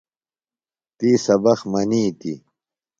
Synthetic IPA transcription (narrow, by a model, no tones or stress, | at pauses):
t̪iːsɐbɐxmɐniːt̪i